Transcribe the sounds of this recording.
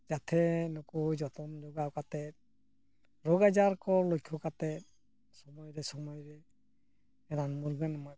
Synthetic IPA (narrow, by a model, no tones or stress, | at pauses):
zatʰɛnukuzɔtɔmd͡ʒɔɡawkatɛ | ɹɔɡazaɹkɔɹlojkʰɔkatɛ | sɔmɔjɾɛsɔmɔjɹɛ | ɛnanmuɾɡɔnɔmɔj